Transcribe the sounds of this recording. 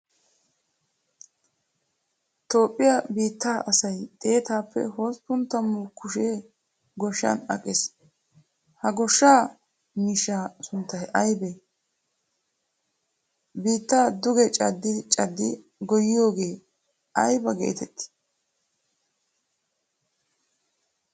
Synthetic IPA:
t̪o̞ːpʼːɪjɐbiːt̪ːaːʔɐsɐjt̪ʼe̞ːt̪aːpːɛ̰hoːspʊnt̪ːɐmːʊkʊʃe | ɡɔʃːa̰nɐ̰kʼɛs | hɐɡɔʃːaː | miːʃaːsʊnt̪ːɐhʔɐjbe | biːt̪ːaːd̪ʊɡɛt͡ʃʼɐd̪ːɪt͡ʃʼɐd̪ːɪ | ɡɔjɪjo̞ːɡe̞ː | ɐjbɐɡḛːt̪ɛt̪ːɪ̥

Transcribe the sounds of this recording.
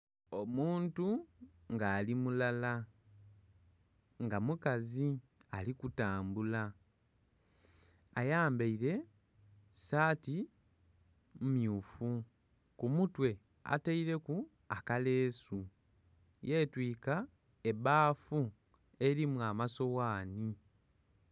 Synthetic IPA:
o̞muːntuŋɡaːlimulala | ŋɡamukazialikutaːmbula | jaːmbeiɾe̞ | saːti | mmjuːfu | kumutwe̞ | a̰taiɾe̞ku | akale̞ːsu | je̞ːtwiːka | eβaːfu | e̞ɾimuamaso̞waːni

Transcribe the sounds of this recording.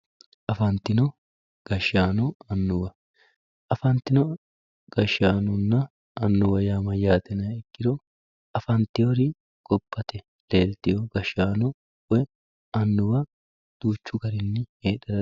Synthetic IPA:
ʔɐfɐnt̪ɪnɔ | ɡ̥ɐʃaːnɔɐnːʊwɐ | ʔɐfɐnt̪ɪnɔ | ɡ̥ɐʃaːnʊnːɐ | ɐnːʊwɐjaːmɐjaːt̪ɛnɐɛkːɪɾɔ | ɐfɐnt̪ɪjɔɾi | ɡ̥ɔbːɐt̪ɛ | le̞ːlt̪ɪjɔɡɐʃaːnɔ | wɛ | ɐnːʊwɐ | d̪̥uːt͡ʃːʊɡɐɾɪnːɪheːᶑɐɾɐ

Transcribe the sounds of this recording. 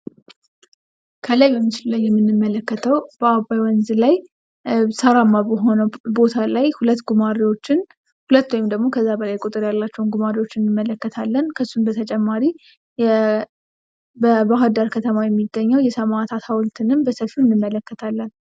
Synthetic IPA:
kʰəlajbɛmːit͡ʃɪlulajːɛmːɨnːɨmːələkːət̪ʰəwb̥əabajwɔnzɨlaj | səɾamːaɦonəbo̞t̪ʰalajhulət̪ːɡumaɾiwot͡ʃːɪn | hulət̪ːowjɪmd̪əɡmo̞kʰəzːabəlajkʼut̪ʼɨɾjalːat͡ʃːɛwnɡumaɾiwo̞t͡ʃːɪnɨɨmːələkːət̪ʰalːənkʰəsːunbət̪ʰət͡ʃʼɛmːaɾi | bəbaɦad̪aɾkʰət̪ʰəmajɛmːiɡːəɲːəwjɛsəmat̪ʰat̪ʰawɔlt̪ʰɨnɨmbəsəlfiɨnːɨmːələkːət̪ʰalːən

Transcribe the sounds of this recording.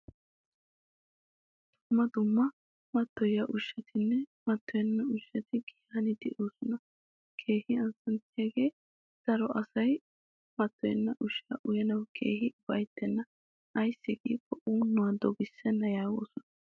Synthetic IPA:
d̪̥ʊmːɐd̪ʊmːɐ | mɐt̪ːɔjaʔʊʃːɐt̪ɪnːɛmɐt̪ʰːɔjɐnːɐʊʃːɐt̪ɪɡɪjanɪd̪ɛʔoːsɔnɐ | kʰeːhɪɐnsɐnt̪ɪjaɡe̞ː | d̪̥ɐɾɔʔɐsɐj | mɐt̪ːɔjɛnːɐʔʊʃaʔʊjɐnɐwkʰḛːhɪbɐjt̪ːɛnːɐ | ɐjsːɪɡiːkːɔʔuːnːʊwɐd̪ɔɡɪsːɛnːɐjaːwo̰ːsɔnɐ

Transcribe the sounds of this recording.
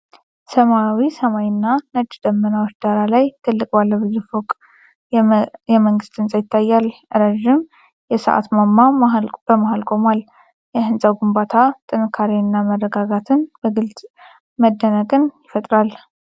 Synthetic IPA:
səmawisəmajɪnːanəd͡ʒʼd̪əmːənawot͡ʃːd̪̥aɾalajt̪ʰɨlːɨkʼbalːəbɨzɨfokʼ | jɛməŋɡɨst̪ʰɨnsʼajɪt̪ʰːajːalʔɨɾəʒɪm | jɛsə̰ʔa̰t̪mamːabəmahalkʼo̞mal | jɛhɨnsʼawɡumbat̪ʰat̪ʼɨnɨkʰːaɾenːamərːəɡaɡat̪ʰɨnb̥əɡɨlt̪ʼ | məd̪ːənəkʼɨnjɪfət̪ʼɾal

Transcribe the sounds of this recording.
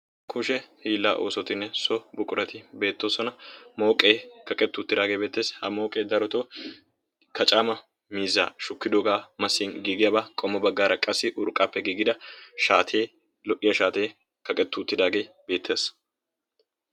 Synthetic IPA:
kʰʊʃɛhiːlːa̰ːʔo̰ːsɔt̪ɪnːɛsɔbʊkʼːʊɾɐt̪ɪbe̞ːt̪ːoːsɔnɐmo̞ːkʼe̞ːkɐkʼɛt̪ːʊt̪ːɪd̪aːɡeːbe̞ːt̪ːe̞ːshɐmo̞ːkʼe̞ːd̪ɐɾɔt̪o | kʰɐt͡ʃʼaːmɐ | miːzːa̰ːʃʊkːɪd̪oːɡaːmɐsːiːnɡiːɡɪjabaːkʼɔmːɔbɐɡːaːɾɐkʼɐsːɪʔʊɾkʼːaːpːɛɡiːɡɪd̪ɐʃaːt̪ʰeː | lɔʔːɪjɐʃaːt̪e̞ː | kɐkʼɛt̪ːʊːt̪ːɪd̪aːɡe̞ːbe̞ːt̪ʰːe̞ːs

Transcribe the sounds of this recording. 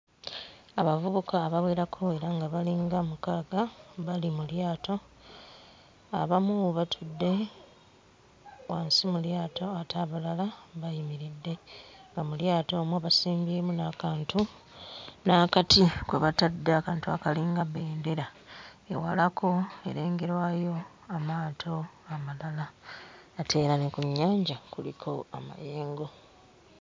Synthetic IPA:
aβavuβukaːβaβwe̞ːɾakʰo̞e̞ɾaŋɡaβaliŋɡamukaːɡaβalimuljaːto̞ | a̰βamuβatʰudːe̞ | waːnsimuljaːto̞atʰaːβalalaβajimiɾidːe̞ŋɡamuljaːto̞ːmwaβasiːmbiemunaːkaːntu | naːkatʰikweβatadːeakaːntua̰kaliːŋɡaβe̞ːnde̞ɾa | ḛwalakʰo̞e̞̰ɾe̞ːŋɡe̞ɾwaːjo̞ | amaːtʰo̞amalalaː | tʰe̞ːɾanekuɲːaːɲɟakulikʰo̞a̰ma̰je̞ːŋɡo̞

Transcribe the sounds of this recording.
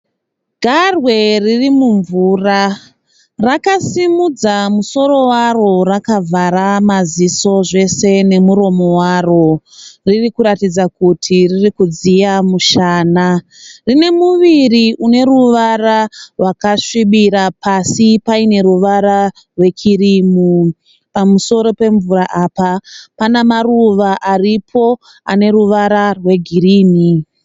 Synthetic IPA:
ɡʱarwe̞ririmuɱvuːra | rakasimud͡zamuso̞ɾo̞waro̞rakavʱaɾamaziso̞ʐe̞se̞ne̞muɾo̞mo̞waro̞ | ririkuɾatid͡zakutʰiririkud͡zijamuʃaːna | rine̞muʋiriʔune̞ɾuʋararwakaʂiɓiɾapasipaine̞ɾuʋaɾa | rwe̞t͡ʃiriːmu | pamuso̞ɾo̞pe̞ɱvuɾaʔapapanamaruʋaʔaripʰo̞ | a̰ne̞ɾuʋaɾarwe̞ɡʱiriːni

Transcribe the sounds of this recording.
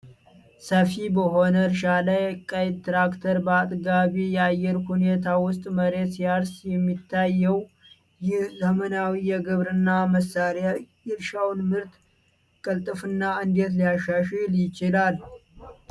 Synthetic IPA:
səfibəho̞nəɾʃalajkʼəjd̪t̪ɾakt̪ʰəɾbəat̪ʼɡaβijɛajːɛɾhune̞t̪ʰawʊst̪ʼməɾe̞t̪sijaɾsjɛmːit̪ʰːajːɛw | jɪhzəmənawijɛɡɨβɾɨnːaməsaɾjajɪɾʃawnmɨɾt̪ | kʼəlt̪ʼɨfɨnːaɨnd̪et̪lijaʃaʃɛljɪt͡ʃɪlal

